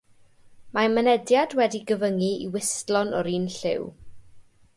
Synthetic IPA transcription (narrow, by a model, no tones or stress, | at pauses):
mamənɛdjadwɛdiɡəvəŋiiwɪstlɔnɔɾiːnɬɪ̰w